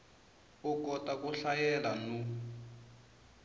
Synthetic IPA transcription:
ukɔtʼakuɬajɛlanu

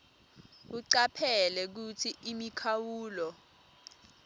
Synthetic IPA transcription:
uǀapʰɛlɛk̬ut͡sʰiimikʰawuːlɔ

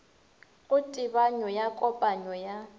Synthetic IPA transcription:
ɣʊtʼɪbaɲɔjakʼɔpʼaɲɔja

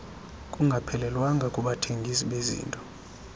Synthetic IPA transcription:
kʼuŋɡʱapʰɛlɛlwaŋɡʱakʼuɓatʰeŋɡʱis̬iɓezḭːntʼɔ̥

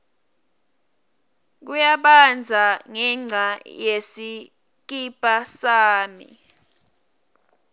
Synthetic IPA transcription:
k̬ujaɓand͡zʱaŋɛŋ͡ǀʱajesi | k̬ipʼasaːmḭ

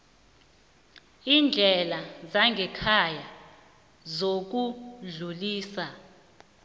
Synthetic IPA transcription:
iːnd͡ɮʱɛlazaŋɡʱɛkʰaja | zok̬uɮuliːsa

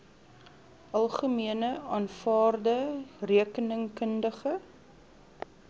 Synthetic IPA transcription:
ʔɐlˠχəmiənəɑːnfɑːrdəriəkənəŋkəndəχə

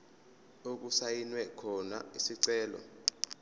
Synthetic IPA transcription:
ok̬usajinwɛkʰɔna̰isiǀɛːlɔ̰

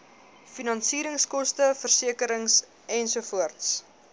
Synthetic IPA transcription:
finɐnsiːɾəŋskɔstəfərsiəkəɾəŋs | ʔɛnsufuərts

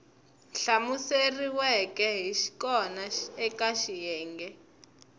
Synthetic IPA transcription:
nɬamuseriwɛkɛɦiʃi̥kɔnaɛkaʃijɛːŋɡɛ

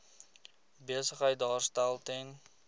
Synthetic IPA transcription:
biəsəχəjt̚dɑːrstælˠten

